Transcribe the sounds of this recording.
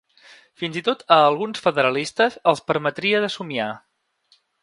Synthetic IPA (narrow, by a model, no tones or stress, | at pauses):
finzit̪ot̪əːlˠɣunsfəðəɾəlist̪əzəlˠspəɾmət̪ɾiəðəsumia